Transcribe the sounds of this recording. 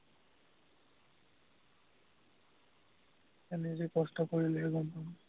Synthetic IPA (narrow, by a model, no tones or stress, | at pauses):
ɛnizikɔstɔkoɹilɛɛɡɔmpan